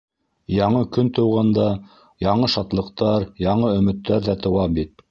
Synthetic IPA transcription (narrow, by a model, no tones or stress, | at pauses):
jɑɴɤkɵnt̪ɤ̆wʁɑnd̪ɑ | jɑɴɤʃɑt̪lˠɤ̆qt̪ɑɾjɑɴɤɵ̆mɘ̆t̪ːæɾðæt̪ɤ̆wɑbit̪̚